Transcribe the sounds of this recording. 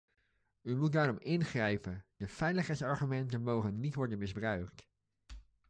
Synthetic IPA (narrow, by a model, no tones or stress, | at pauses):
ymut̚daːrɔmɪnχrɛjpəndəfɛjləχɦɛjtsɑɹχymɛntənmowχənːitʋɔɹdənmɪzbrœɥkt